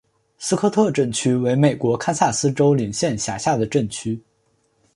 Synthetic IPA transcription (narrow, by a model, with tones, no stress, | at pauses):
sɹ̩˥kʰɤ˥˧t̪ʰɤ˥˧ʈ͡ʂə˥˩nt͡ɕʰy˥we˧˥ɪme˨˩ɪkwɔ˧˥kʰa˥nsa˥˩sɹ̩˥ʈ͡ʂo˥ʊli˨˩ŋɕjɛ˥˩nɕja˨˩ɕja˥˩d̪ə˩ʈ͡ʂə˥˩nt͡ɕʰy˥